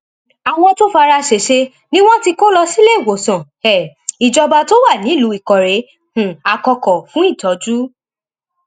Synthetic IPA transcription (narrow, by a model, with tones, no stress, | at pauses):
a˨˧w̃ɔ̃˧to˦fa˧ɾa˧ʃe˨ʃe˧ | nĩ˦w̃ɔ̃˦ti˧ko˦lɔ˧si˦le˦i˦˨wo˨sɔ̃˨ | ɛ˨i˨d͡ʒɔ˧ba˧to˦wa˦˨nĩ˨˦˨lu˨˦i˨kɔ˨ɾe˨˦ | h̩˨a˨kɔ˧kɔ˨fũ˦i˦˨tɔ˨˦d͡ʒu˦